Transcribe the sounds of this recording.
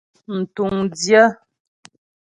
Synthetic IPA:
n̩˨tu˨ŋdjə˦

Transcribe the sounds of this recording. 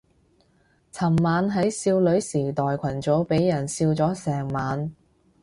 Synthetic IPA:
t͡sʰɐ˨˩mːaː˨˧nɦɐ˨˥jsiː˧wlɵ˨˥ɥsiː˨˩t̪ɔː˨jkʷʰɐ˨˩nt͡soː˨˥wpe˨˥jːɐ˨˩nsiː˧wt͡sɔː˨˥sɛː˨˩ŋmaː˨˧n

